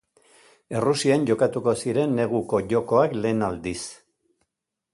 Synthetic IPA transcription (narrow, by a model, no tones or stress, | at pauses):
e̞rusianʝo̞kat̪uko̞siɾe̞nːe̞ɣ̞uko̞ʝo̞ko̞akle̞ːnald̪is